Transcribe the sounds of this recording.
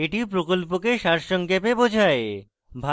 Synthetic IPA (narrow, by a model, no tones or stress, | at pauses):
eʈipɾokolpokeʃaɾʃɔŋkepebod͡ʑʱae | bʱa